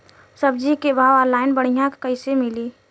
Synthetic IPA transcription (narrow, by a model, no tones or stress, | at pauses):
səb̚d͡ʒikebʱaːʋaɾlaːɪnbəɽ̤ijãkkəɪsemɪliː